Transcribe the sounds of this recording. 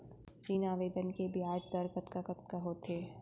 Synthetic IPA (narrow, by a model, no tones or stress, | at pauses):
t͡ʃiːnaːʋeːd̪ənkebʱiaːd͡ʒd̪ɐɾkət̪kakɐt̪kaɦot̪ʰeː